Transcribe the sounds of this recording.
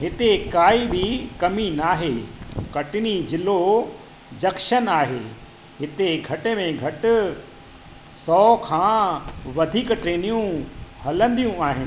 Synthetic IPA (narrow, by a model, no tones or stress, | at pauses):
ɦɪt̪ekaːibɪkɐminaːɦekɐʈɪnid͡ʑɪlo | d͡ʑɐkʃənaːɦeː | ɦɪt̪eɡʱɐʈemẽɡʱɐʈʊ̆ | sɔːkʰãːʋɐd̪ʱiːkʈɾeːnijũhɐlə̃nd̪ijũaːɦɪnɪ̆